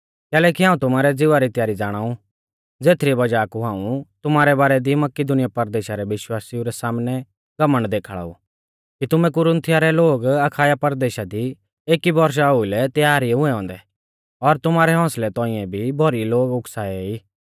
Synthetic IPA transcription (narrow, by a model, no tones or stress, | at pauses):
kɛːlɛkiɦãːũt̪ʊmaːɾɛd͡zɪʋaɾit̪jaːɾid͡zaːɽ̃aːu | d͡zeːt̪ʰɾibɐd͡ʒaːkuɦãːũt̪ʊmaːɾɛbaːɾɛd̪imɐkid̪ʊnɪjapɐɾd̪eːʃaɾɛʋɪʃwaːsiũɾɛsaːmnɛ | ɡ̥ɐməɽd̪eːkʰaɭa̰ːṵ | kit̪ʊmɛ̃kʊɾə̃nt̪ʰijaɾɛloːɡɐkʰaːjapɐɾd̪eːʃad̪i | eːkibɔɾʃ̬aɦʊilɛt̪jaːɾiɦʊ̃ɛ̃ɦɔ̃ːnd̪ɛ | ɔɾt̪ʊmaːɾɛɦɔ̃ːslɛt̪ɔ̃ːɪ̃ɛ̃bʱibʱɔɾiloːɡʊksaːɛiː